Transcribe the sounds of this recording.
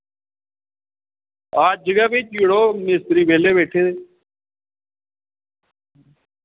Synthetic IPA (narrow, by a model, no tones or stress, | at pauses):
aːd͡ʒəɡaːbiːt͡ʃiːɽoːmɪst̪ɾiːbeːleːβeːʈʰeːd̪eː